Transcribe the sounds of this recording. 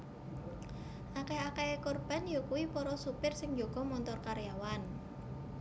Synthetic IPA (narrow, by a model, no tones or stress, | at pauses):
ʔakeakeekorb̥a̤njokuwipɔɾɔsupɪrsɪŋd͡ʒoɡ̥ɔ̤mɔnt̪ɔrkaɾjawan